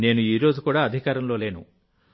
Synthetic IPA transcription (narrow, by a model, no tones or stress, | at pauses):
ne̞ːnuiːɾo̞ːd͡ʒukuːɽaːɐd̪ʱikaːɾɐmlo̞ːle̞ːnṵ